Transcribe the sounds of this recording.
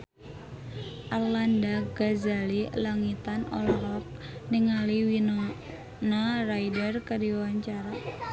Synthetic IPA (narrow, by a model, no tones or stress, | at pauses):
ʔarlandaɡazalilaŋit̪anɔ̰lɔɾɔk̚niŋaliwino | naraidərkədiwaɲt͡ʃaɾa